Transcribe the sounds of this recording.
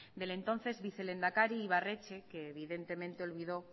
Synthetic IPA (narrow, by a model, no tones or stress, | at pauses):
d̪e̞le̞nt̪õ̞n̟θe̞zβiθe̞le̞nd̪akaɾiːβ̞are̞t͡ʃe̞keːβ̞iðe̞nt̪e̞mẽnt̪eo̞lβiðo̞